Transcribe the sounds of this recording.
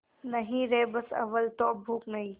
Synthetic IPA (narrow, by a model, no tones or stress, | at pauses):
nɐɦĩɾeːbɐsɐ̰ʋəlt̪oːbʱuːknɐɦĩː